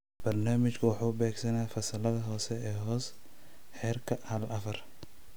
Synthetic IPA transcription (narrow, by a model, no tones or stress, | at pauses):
b̥ɐrnaːmɪt͡ʃkʰɐwɑħuːʊbɛːɡsɐnaːfɐsɐlɐðɐɦɔːsɛɛːɦɔːs | ħɛːrkʰɐhɐlɐfɐr